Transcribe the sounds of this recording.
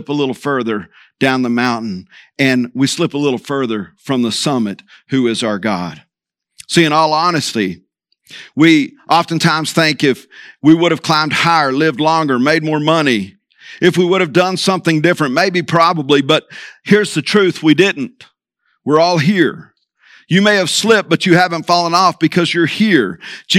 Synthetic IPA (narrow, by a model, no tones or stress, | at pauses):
ɪpəlɪɾl̩ˠfɜ˞ðə˞ | d̥ãʊ̃nðəmãʊ̃nʔn̩ɨ̃nwislɪpəlɪɾl̩ˠfɜ˞ðə˞fɹʌ̃mðəsʌmɨt̚hʉɪzaʊə˞ɡɑ̰d̥ | siɨ̃nɔlˠɑnɨstˡli | wiʔɑfɨ̃n̩tʰãɪ̃mz̥θɪ̃ŋkɪfwiwʊɾɨv̥kʰl̥ãɪ̃md̚haɪə˞lɪvdˡlɔ̃ŋɡə˞meɪd̚mɔɹmʌni | ʔɨfwiwʊɾɨvdʌ̃nsʌ̃mθɪ̃ŋdɪfɹɨ̃nʔmeɪbipʰɹ̥ɑbəblibʌt̚hiɹzðɨtʰɹ̥ʉθwidɪdⁿn̩t̚ | wɪɹɔlˠɦiɹ | jɨmeɪɨv̥slɪp̚b̥ʌt͡ʃɨhævə̃ntfɔlˠə̃nɔfb̥ɨkʰʌzjə˞hiɹd͡ʒ